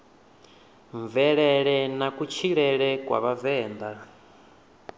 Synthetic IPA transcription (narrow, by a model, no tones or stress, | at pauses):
ɱvɛɺɛɺɛnakut͡ʃʰiɺɛɺɛkwa̰βavɛːnd̪a